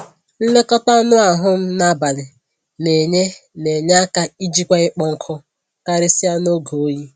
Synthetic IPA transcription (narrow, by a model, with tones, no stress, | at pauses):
n̩˦le˦kɔ˦ta˦nʊ˦a˨ɦʊ˦m̩˦na˦ba˨lɪ˨ | ne˨ɲe˦ne˨ɲ˦a˦ka˦i˦d͡ʒi˦kʷa˦ɪ˦k͡pɔ˦ŋ̩˦kʰʊ˦ | ka˦ɾɪ˦si˦ja˦no˦ɡo˨o˦ji˦